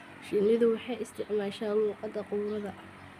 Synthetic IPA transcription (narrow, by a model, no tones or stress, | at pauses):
ʃɪnɪðʊwɑħɑjɪst̪ʰɪʕmaːʃaːnluːqɑd̪ɐqʊwɾɐðɐʔɐh